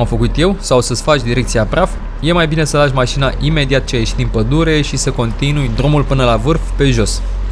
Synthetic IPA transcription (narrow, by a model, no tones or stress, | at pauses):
amfəkut̪je̞wsawsəsfat͡ʃʲd̪iɾe̞k̚t̪siapɾaf | je̞majbine̞səlaʃʲmaʃinaʔime̞d̪iat̪̚t͡ʃejaeʃit̪d̪inpəd̪uɾe̞ʃisəko̞nt̪inujd̪ɾumulpɨnəlavɨrfpe̞ʒo̞s